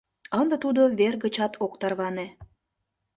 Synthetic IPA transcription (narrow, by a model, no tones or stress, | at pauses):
ənd̪ə̆t̪ud̪oβerɣət͡ɕɑt̪ʰokt̪ɑrβɑne